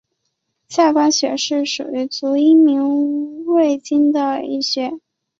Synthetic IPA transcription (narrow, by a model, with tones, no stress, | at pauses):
ɕja˥˩kwa˥nɕɥɛ̰˧˥ʂɻ̩˥˩ʂṵ˨˩y˧˥t͡su˧˥i˥mi˧˥ŋwe˥˩ɪt͡ɕi˥nd̪ə˨ḭ˥˩ɕɥɛ˧˥